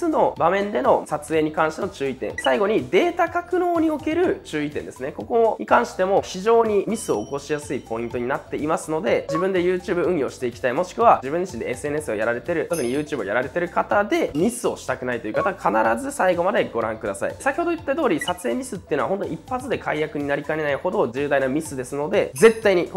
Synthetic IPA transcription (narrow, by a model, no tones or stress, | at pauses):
sɨno̞bamẽ̞nd̪e̞no̞sat͡sɨe̞ːɲ̟ikãɕi̥t̪e̞no̞t͡ɕɨːit̪ẽ̞̰saiɡo̞ɲ̟id̪e̞ːt̪akakɯ̟no̞ːɲ̟io̞ke̞ɾɯ̟t͡ɕɨːit̪ẽ̞nd̪e̞sɨne̞ko̞ko̞ɲʔikãɰ̃ɕi̥t̪e̞mo̞çiʑo̞ːɲ̟imʲisɨo̞ːko̞ɕijasɨipo̞ĩnt̪o̞ɲ̟inat̪ːe̞ʔimasɨno̞d̪e̞d͡ʑibɯ̟̃nd̪e̞jɯːt͡ɕɨːbɯ̟ɯ̟̃ɰ̃jo̞ːɕi̥t̪e̞ikʲi̥t̪aimo̞ɕi̥kɯ̟βad͡ʑibɯ̟̃ɲd͡ʑiɕĩnd̪e̞esɨe̞n̟esɨo̞̰jaɾaɾe̞t̪e̞ɾɯ̟t̪o̞k̬ɯ̟ɲ̟ijɯ̟ːt͡ɕɨːbɯojaɾaɾe̞t̪e̞ɾɯ̟kat̪ad̪e̞mʲisɨo̞ɕi̥t̪akɯ̟nait̪oiɯ̟kat̪akʰanaɾazɨsaiɡo̞mad̪e̞ɡo̞ɾã̰ŋkɯd̪asa̰ḭsakʲi̥ho̞d̪oɯt̪ːet̪o̞ːɾʲisat͡sɨe̞ːmʲisɨt̪ːe̞ɯ̟noaɦo̞nt̪oɲiipːat͡sɨd̪e̞kʰaijakɯ̟ɲ̟inaɾʲikaeenaiho̞d̪o̞d͡ʑɨːd̪ainamʲisɨd̪e̞sɨno̞d̪e̞d͡ze̞t̪ːaiɲ̟ik